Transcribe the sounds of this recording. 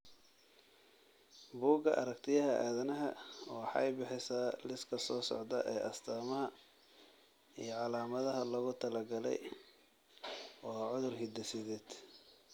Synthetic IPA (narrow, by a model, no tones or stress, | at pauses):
buːɡɐʔɐɾɐkt̪ʰɪjɐɦɐʔa̰ːðɐnɐɦɐwɑħɑɛjbɪħɪsaːlɪskʰɐsɔːsɔ̰ʕd̪ɐʔɛːʔɐst̪ʰaːmɐɦɐ | ijɞʕɑlaːmɐðɐɦɐlɐɣʊt̪ʰɐlɐɡɐlɛ̰j | wɑːʕʊðʊrhɪd̪ɛsɪðɛːd̪̥